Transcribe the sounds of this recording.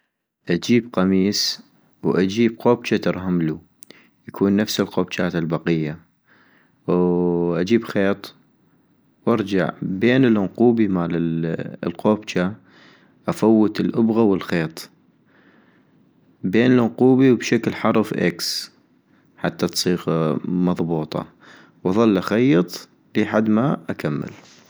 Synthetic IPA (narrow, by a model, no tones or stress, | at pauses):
ʔad͡ʒiːbqɑmiːs | wʔad͡ʒiːb̚qoːbt͡ʃat̪ɑɾˤɦamlu | jakʰuːnːafsɪlqoːb̚t͡ʃaːt̪ɪlbɑqɪjːa | wʔad͡ʒiːbxeːt̪ˤ | wʔɑɾˤd͡ʒa̰ʕbeːnɪlʊnquːbimaːlɪlqoːbt͡ʃa | ʔafawːət̪ɪlʔʊbɣawɪlxeːt̪ˤ | beːnɪlʊnquːbiwbʃaklħɑɾˤfʔa̰ks | ħat̪ːat̪sˤiːɣmɑðˤbuːt̪ˤɑ̰ | wʔɑðˤɑlːʔaxajːɑt̪ˤ | liħad̪maʔakamːɪ̰l